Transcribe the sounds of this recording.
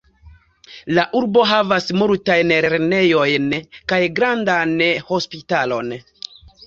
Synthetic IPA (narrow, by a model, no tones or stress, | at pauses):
laʔuɾbo̞ɦavasmultajnɾeɾne̞jo̞jnkajɡɾandanho̞spitalo̞̰n